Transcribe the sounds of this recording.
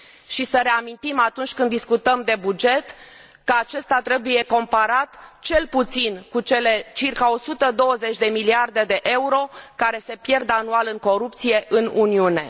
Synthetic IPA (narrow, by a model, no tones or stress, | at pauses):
ʃisəɾe̞amint̪imat̪unt͡ʃʲkɨnd̪iskut̪əmd̪e̞bud͡ʒe̞t̪ | kəat͡ʃe̞st̪at̪ɾe̞buje̞ko̞mpaɾat̪t͡ʃe̞lput̪sinkut͡ʃe̞le̞t͡ʃirkao̞sut̪əd̪o̞wəze̞t͡ʃʲd̪e̞miliard̪e̞d̪e̞ʔe̞uɾo̞kaɾe̞se̞pje̞rd̪anualɨŋko̞ɾup̚t̪sije̞ʔɨnuniune̞